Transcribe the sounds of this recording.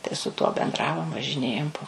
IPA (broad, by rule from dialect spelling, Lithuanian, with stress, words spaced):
tɐɪ sʊ ˈtuɔ bʲɛnˈdrɑːʋoːm ʋɐʒʲɪˈnʲeːjoːm poː